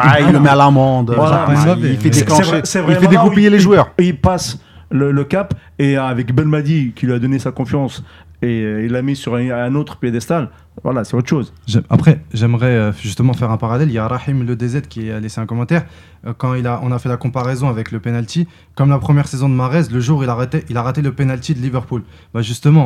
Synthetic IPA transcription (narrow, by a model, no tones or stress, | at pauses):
aillːəmɛalamɑ̃d̪vwalaaɛifɛd̪ekɑ̃svɛsɛvʁɛmfɛd̪ekuijeleʒwœʁilpaslələkapeavɛkbɛlmad̪ikilɥyad̪ɔnesakɔ̃fjɑ̃s | eilːamisyʁɛ̃not̪χə̥pjed̪ɛst̪al | vwa̰lasɛot̪χʃoz | ʒɛma̰pχɛʒɛmʁɛøʒyst̪əmɑ̃fɛʁɛ̃paʁalɛljaɾɑħimləd̪ezɛt̪kʲialeseɛ̃kɔmɑ̃t̪ɛʁ | kɑ̃ilaʔɔ̃nafɛlakɔ̃paʁɛzɔ̃avɛkləpenalt̪i | kɔmlapχəmjɛʁsezɔ̃d̪əmaʁɛzləʒuʁilaʁɛt̪ɛʔilaʁat̪eləpenalt̪id̪əlivɛʁpul | baʒyst̪əmɑ̃